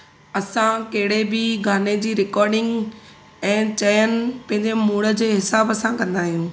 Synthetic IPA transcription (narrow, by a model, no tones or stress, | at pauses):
ɐsãkɐɦɪɽebɪɡaːned͡ʑiːɾɪkɔːɾɖɪ̃ŋɡ | ɛ̃ːt͡ɕɐjənɪ̆pɐ̃ɦɪ̃ɲd͡ʑemuːɽə̆d͡ʑeːɦɪsaːbɐsãkɐ̃nd̪aːɦijũː